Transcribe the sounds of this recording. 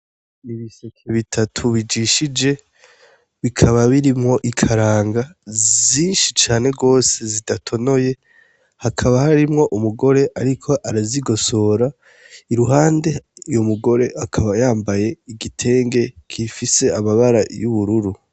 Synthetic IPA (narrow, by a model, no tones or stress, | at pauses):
iβisokʰiβitʰatʰuβid͡ʒiʃid͡ʒe̞ | βikʰaβaβiɾimŋo̞ʔikʰaɾaːŋɡaziːnʃit͡ʃaːne̞ɡo̞ːse̞zidatʰo̞no̞je̞ | hakʰaβahaɾimŋo̞ʔumuɡo̞ɾe̞ʔaɾikʰo̞ʔaɾaziɡo̞so̞ːɾa | iɾuɦaːnde̞jomuɡo̞ɾe̞akʰaβajaːmbaje̞iɡitʰe̞ːŋɡe̞kʰifise̞amaβaɾajuβuɾuɾu